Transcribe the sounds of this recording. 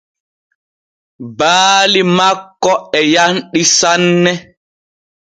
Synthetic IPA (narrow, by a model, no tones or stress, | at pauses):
baːlimakːɔɛjanɗisanːɛ